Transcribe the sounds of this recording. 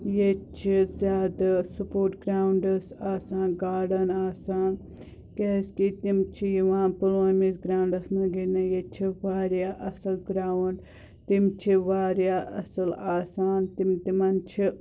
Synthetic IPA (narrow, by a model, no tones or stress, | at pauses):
jet͡ʃʰizʲjaːd̪asupoːɾʈɡɾaːwuɳɖɐsaːsãːnɡaːɖɐnaːsaːn | keskit̪imt͡ʃʰijiʋãːnpulaːnmisɡɾaːuɳɖɐsnɐɡenɐjet͡ʃʰiʋaːɾjaːʔɐsɐlɡɾaːwuɳɖ | t̪imt͡ʃʰiʋaːɾjaːʔɐ̰sɐlaːsaːnt̪imt̪imɐnt͡ʃʰi